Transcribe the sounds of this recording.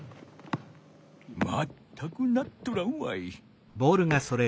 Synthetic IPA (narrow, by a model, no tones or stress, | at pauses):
ma̰t̪ʰːakɯnat̪ːoɾaɯma̰i | bo̞ːɾɯ̟ŋaso̞ɾe